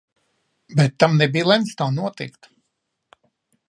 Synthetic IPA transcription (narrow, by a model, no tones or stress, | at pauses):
bɛt̪ːamnɛbiːlˠɛnst̪awnuɔt̪ḭkt̪